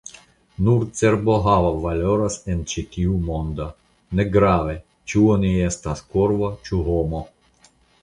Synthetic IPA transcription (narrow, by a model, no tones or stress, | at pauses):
nuɾt͡seɾboɦavavalʲoɾasent͡ʃit̪ʲiumond̪a | neɡɾave | t͡ʃuonʲiest̪askoɾvot͡ʃuɦomo